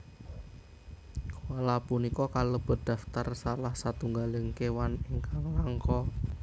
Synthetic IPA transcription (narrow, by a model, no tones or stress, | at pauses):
kolapunikɔkalob̥ə̤d̪̥a̤ft̪arsalahsat̪uŋɡalɪŋkewanɪŋkaŋlaŋkɔ